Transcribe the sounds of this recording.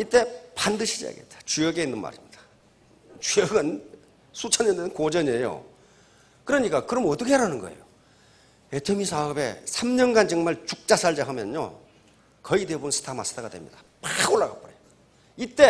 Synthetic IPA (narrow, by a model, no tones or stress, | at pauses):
it͈e̞pandɯɕʰid͡ʑia̰ɡet̚t͈ḁt͡ɕujʌɡe̞inːɯnma̰ɾimɲid̥ḁ | t͡ɕjʌɡɯn | sʰut͡ɕʰanendɯnkod͡ʑʌɲe̞jo̰ | kɯɾʌɲik͈akɯɾʌmʌt͈ʌkʰeɾanɯnɡʌe̞̰jo | etʰemisʰaɯbe̞̰sʰamɲʌnɡant͡ɕɯŋmaɭt͡ɕuk̚t͡ɕ͈asʰaɭd͡ʑaɦamjʌno̰ | kʌide̞bunsʰɯ̥tʰamas͈ʰɯ̥tʰaɡadwe̞̰mɲid̥a | paɡoɭːaɡa̰pɯɾeo | it͈e̞